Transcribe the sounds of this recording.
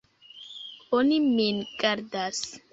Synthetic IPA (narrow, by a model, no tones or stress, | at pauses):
oniminɡ̥aɾd̪as